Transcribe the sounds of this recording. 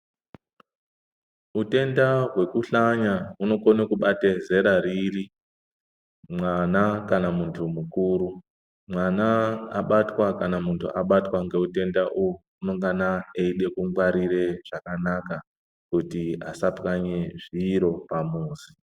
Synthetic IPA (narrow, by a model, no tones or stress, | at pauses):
ute̞ndaɦwe̞kuɬaɲauno̞konekuɓateze̞ɾariri | mwanakanamuntʰumukuːɾu | mwanaːɓatwakanamuntʰṵʔaɓatwaŋɡe̞ute̞ndaʔuwu | uno̞ŋɡanaeiɗe̞kuŋɡwaɾire̞ʐ̥akanaka | kutiasapkaɲeʐiːɾo̞pamuːzi